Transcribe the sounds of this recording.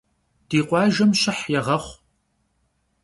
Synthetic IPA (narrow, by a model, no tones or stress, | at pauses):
d̥iːqʷɑːʒɐmɕɐħjɛʁɐχʷ